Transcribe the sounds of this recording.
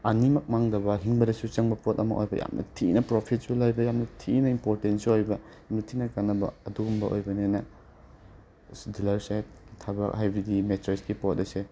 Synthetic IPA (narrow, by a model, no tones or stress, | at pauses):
ɐnimɐk̚maŋdɐbɐɦiŋbɐdɐsut͡ʃɐŋbɐpot̚ɐmɐ̰ʔo̰jbɐ̰ja̰mnʔɐ̰tʰinɐpɾopʰit̚sulajbɐjamnɐtʰinɐimpoɾtentsuojbɐ | jamnɐtʰinɐkanːɐbɐ̰ɐduumbɐʔo̰jbɐnenɐ | dilɐɾsat̚tʰabɐ̰ajbʱidimetɾesɡipot̚ɐse